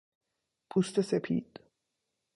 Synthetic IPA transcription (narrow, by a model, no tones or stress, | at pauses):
pʰust̪ʰesepʰḭːd̪̥